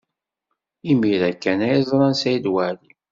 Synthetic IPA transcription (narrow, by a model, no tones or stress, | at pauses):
imiɾækːænæjəzˤɾˤɑnsæjd̪wæɾi